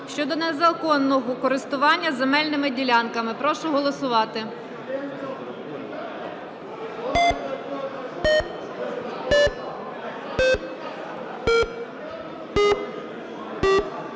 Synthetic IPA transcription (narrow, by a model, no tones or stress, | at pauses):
ʃʲt͡ʃɔd̪ɔnezɐkɔnːɔɦɔkɔɾɪst̪ʊʋɑnʲːɐzemɛlʲnɪmɪdʲilʲɑnkɐmɪpɾɔʃʊɦɔlˠɔsʊʋɑt̪ɪ